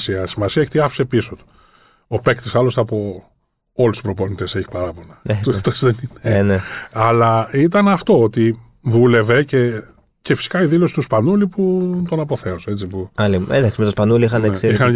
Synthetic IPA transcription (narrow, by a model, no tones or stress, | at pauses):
siɐsimɐsiɐeçe̥t̪iɐfsepisot̪u̥ | opekt̪isɐlo̞st̪ɐpo̞ | o̞lust̪u̥spɾo̞po̞nit̪e̞seçi̥pɐɾɐpo̞nɐt̪ut̪osðenineneɐlɐit̪ɐnɐft̪o̞ot̪i | ðule̞ve̞ce̞ | ce̞fi̥si̥kɐiðilo̞si̥t̪uspɐnuliput̪o̞nɐpo̞θe̞oset͡sipuɐlied̪ɐksmet̪ospɐnuliixɐnekixɐn